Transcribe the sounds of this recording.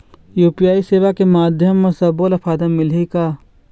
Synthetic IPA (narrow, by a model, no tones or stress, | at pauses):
juːpijaːiseːʋakemaːd̪ʱjəmːesɐbolɐpʰaːd̪əmɪlikaː